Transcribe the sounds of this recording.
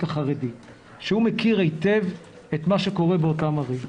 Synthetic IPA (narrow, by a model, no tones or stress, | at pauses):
taχaʁedi | ʃehumekiʁejtev | etmaʃeko̞ʁebeotamaʁi